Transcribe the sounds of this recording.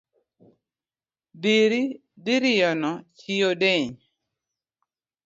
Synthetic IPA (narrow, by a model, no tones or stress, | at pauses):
biɾi | diɾɪjɔnɔt͡ʃijodeɲ